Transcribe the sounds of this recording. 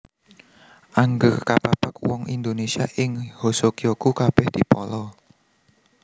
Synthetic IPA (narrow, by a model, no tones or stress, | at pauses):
ʔaŋɡərkapapakwɔŋind̪onesiaʔɪŋhosokiokukab̥ɛhd̪̥i̤pɔlɔ